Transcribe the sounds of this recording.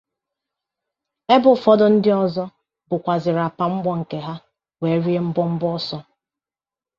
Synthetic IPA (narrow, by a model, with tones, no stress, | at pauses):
e˦bʊ˨fɔ˦dɔ˦n̩˦dɪ˦ɔ˨zɔ˦ | bʊ˨kʷa˨zɪ˨ɾa˨pa˨ŋ͡m̩˦ɡ͡bɔ˦ŋ̩˨ke˨ɦa˦ | we˨˦ɾi˦e˦m̩˦bɔ˦m̩˦bɔ˦sɔ˦